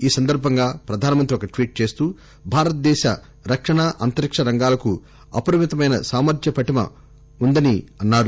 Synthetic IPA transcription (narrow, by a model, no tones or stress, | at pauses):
iːsɐnd̪ɐɾbʱɐŋɡaːpɾɐd̪ʱaːnɐmɐnt̪ɾiɔkɐʈʋiːʈ̚t͡ʃe̞ːst̪uː | bʱaːɾɐt̪̚d̪ɛːʃɐ | ɾɐkʂɐɳaːʔɐnt̪ɐɾikʂɐɾɐŋɡaːlɐku | ɐ̰pɐɾɐmit̪ɐmɐjnɐsaːmɐɾd̪jɐpɐʈimɐ̰ | und̪ɐniɐnːaːɽu